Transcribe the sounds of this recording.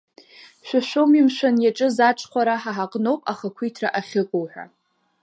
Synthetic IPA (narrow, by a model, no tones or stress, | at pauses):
ʃʷᶣaʃʷomimʃʷanjaʈ͡ʂʼɨzaʈ͡ʂʷʰʼχʷaɾaħaħaqʼno̞wpʼaχakʷʰijtʰra̰ʔaχʲɨkʷʼowħʷᶣa̰